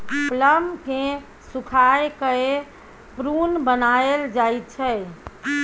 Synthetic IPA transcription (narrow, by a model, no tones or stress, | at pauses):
pləmkẽ | sukʰajkəe | pɾunbənaeld͡ʒajt̪̚t͡ʃʰɛ